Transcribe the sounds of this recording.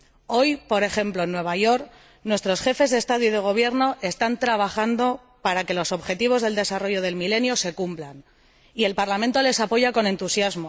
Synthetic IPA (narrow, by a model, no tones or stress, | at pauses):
o̞jpo̞ɾe̞xe̞mplo̞enːwe̞β̞aʝo̞ɾk | nwe̞st̪ɾo̞sxe̞fe̞zðe̞st̪aðjuiðe̞ɣ̞o̞β̞je̞ɾno̞ʔe̞st̪ant̪ɾaβaxand̪o̞ | paɾake̞lo̞so̞βxe̞t̪iβ̞o̞zð̞e̞ld̪e̞saro̞ʝo̞ð̞e̞lmile̞njo̞se̞kumplan | ie̞lpaɾlamẽnt̪o̞le̞sapo̞ʝako̞ne̞nt̪usjazmo̞